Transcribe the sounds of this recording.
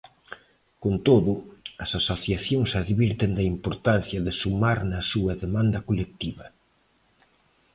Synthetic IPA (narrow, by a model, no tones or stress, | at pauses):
kont̪oðʊɐsasoθjaθjoŋsaðβiɾt̪end̪ɐimpoɾt̪anθjɐðɪsumaɾnɐsuɐðemãnd̪ɐkolek̚t̪iβɐ